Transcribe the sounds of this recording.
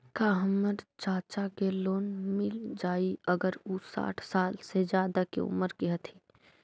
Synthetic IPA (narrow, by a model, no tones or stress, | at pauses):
kaːɦəməɾt͡ʃaːt͡ʃakeloːnmɪld͡ʒaːiəɡəɾusa̰ːʈʰsaːlsed͡ʒjaːd̪akḛʊ̰məɾkeɦɐt̪ʰi